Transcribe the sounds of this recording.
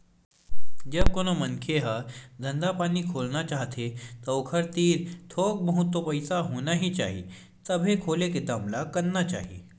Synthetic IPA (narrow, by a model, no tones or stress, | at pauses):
d͡ʒɐb̚koːnomɐ̃nkʰeɦad̪ʱɐ̃nd̪apaːnikʰoːlnat͡ʃaːɦt̪ʰet̪ɐokʰəɾt̪iːɾt̪ʰoːk̚bɐɦʊt̪ːwopɐɪsaɦoːnaɦit͡ʃa̰ːɦḭ | t̪ɐbʱekʰoːleked̪amlakɐɾnat͡ʃa̰ːɦiḭ